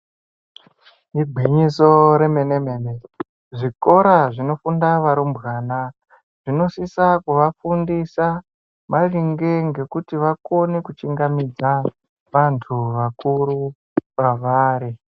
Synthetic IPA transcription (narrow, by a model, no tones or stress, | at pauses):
iɡʱiɲiso̞ɾeme̞neme̞ne | ʐiko̞ɾaʐino̞fundaʋaɾumbɣaːna | ʐ̥ino̞sisakuʋafundisa | mariŋɡe̞ŋɡe̞kutiʋako̞nekut͡ʃiŋɡamid͡za | ʋantʰuʋakuɾu | paʋaːɾi